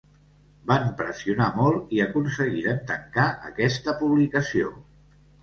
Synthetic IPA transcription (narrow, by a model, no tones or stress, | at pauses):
bampɾəsiunamɔlˠiəkunsəɣiɾəmt̪əŋkaʔə̰kɛst̪əpuβlikəsio̰